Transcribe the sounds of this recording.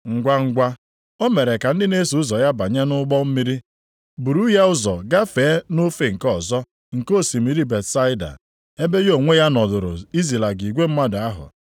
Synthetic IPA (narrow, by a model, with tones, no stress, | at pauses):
ŋ̩˨ɡʷa˦ŋ̩˦ɡʷa˦ | o˦me˨ɾe˨ka˨n̩˦dɪ˦ne˦su˨ʊ˦zɔ˨ja˦ba˨ɲa˦nʊ˦ɡ͡bɔ˦m̩˦mi˦ɾi˦ | bu˨ɾu˦ja˦ʊ˦zɔ˨ɡa˦feː˨˦no˦fe˨ŋ̩˨kɔ˦˨zɔ˦ | ŋ̩˨ko˦˨si˨mi˨ɾi˦be˨tsa˦ɪ˦da̰˨ | e˦be˦jo˨ŋʷe˦ja˦nɔ˨dʊ˨ɾʊ̰˨i˦zi˨la˨ɡi˨ɡʷe˦m̩˦ma˦da˦ɦʊ̰˨